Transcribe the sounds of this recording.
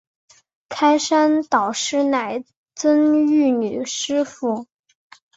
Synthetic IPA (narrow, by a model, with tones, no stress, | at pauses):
kʰa˥ɪʂa˥nt̪ɑ˨˩ʊʂɻ̩˥na˨˩ɪ | t͡swə˥ny˥˩ny˨˩ʂɻ̩˥fu˥˩